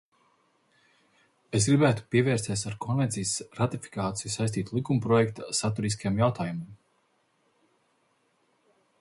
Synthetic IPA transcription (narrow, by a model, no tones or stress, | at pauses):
es̬ɡɾibæːt̪u̥piɛvɛːɾst̪ʲiɛsaɾkʰɔnvɛnt̪sijsɾat̪ifi̥kaːt̪sijusajst̪iːt̪ulˠikumpɾɔjɛkt̪asat̪uɾis̬kajamjawt̪aːjumɨm